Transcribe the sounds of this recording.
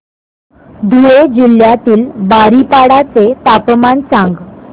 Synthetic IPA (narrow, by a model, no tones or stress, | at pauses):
d̪ʱuɭed͡ʑiljat̪iːlbaɾipaɽat͡set̪apmansãŋɡ